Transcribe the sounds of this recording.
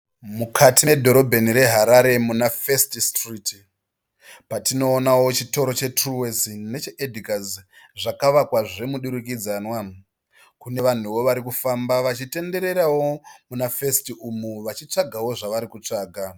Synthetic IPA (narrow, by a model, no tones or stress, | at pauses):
mukʰatiedʱo̞ɾo̞bʱe̞niɾe̞ɦaɾaɾe̞munafe̞stistriti | patino̞ːnawot͡ʃito̞ɾo̞t͡ʃe̞truwezine̞t͡ʃeʔedʱikaz | ʐakaʋakwaʐe̞muɗuɾuk̬id͡zanwa | kune̞ʋan̤uwo̞ʋaɾikufambaʋat͡ʃite̞nde̞ɾe̞ɾawo̞munafe̞stiumuʋat͡ʃit͡ʂaɡʱawo̞ʐaʋaɾikut͡ʂaːɡʱa